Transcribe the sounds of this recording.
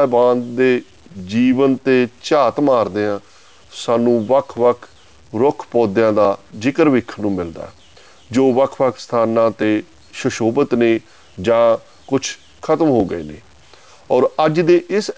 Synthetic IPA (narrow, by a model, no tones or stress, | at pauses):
bãːnd̪eː | d͡ʒiːʋənt̪eːt͡ʃaːt̪maːɾd̪eːãː | saːnũːʋəkʰʋəkʰ | ɾʊkʰpɔːd̪jãːd̪aːd͡ʒɪkəɾʋɪkʰːnũːmɪld̪a̰ːɛ | d͡ʒoːʋəkʰʋəkʰst̪ʰaːnãːt̪eː | ʃəʃoːbət̪neː | d͡ʒãː | kʊt͡ʃʰ | kʰət̪əmɦoːɡəḛːnḛː | ɔːɾəd͡ʒd̪eːʔɪs